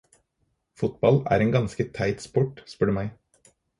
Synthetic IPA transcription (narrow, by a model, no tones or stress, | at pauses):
fʊt̪bɑlæ̰ːɾeːnɡɑnskət̪ʰæɪt̪spɔʈspœɖəmæɪ